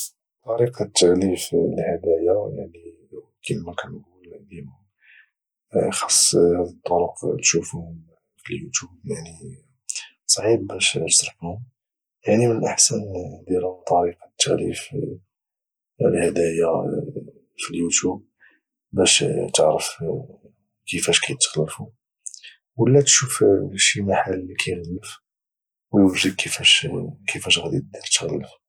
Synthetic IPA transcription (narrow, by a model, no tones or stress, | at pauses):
t̪ˤɑɾiqɑt̪ːaʕliflhəd̪æjaja̰ʕni | wkilmækænɡuld̪iʊm | xɑ̥sˤːhæd̪ət̪ˤːoɾʊqt̪ʃufuhʊm | filjut̪jubjaʕni | sˤʕib̚bæʃsɾˤɑfhʊm | jaʕnimənəʔəħsænd̪ilt̪ˤɑɾiqɑ̥t̪ːæʕlḭf | həd̪æja | filjut̪jub̚ | bæʃt̪əʕɾəf | kəfæʃkæjət̪ːxəlːəfu | wəlːæt̪ʃufʃimaħalːikʰæjɣəd̪əf | wjfrəkkʰːəfæʃkʰəfæʃɣæd̪id̪iɾt̪xəlːəf